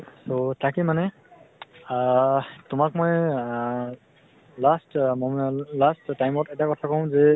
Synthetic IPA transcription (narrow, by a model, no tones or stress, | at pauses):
sotʰakimanɛ | tʊmak̚mɔj | lastmɔlastːajmɔtɛtakɔtʰakɔʊ̃zɛ